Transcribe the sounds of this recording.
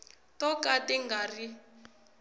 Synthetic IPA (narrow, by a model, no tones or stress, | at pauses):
tɔkatɛŋɡari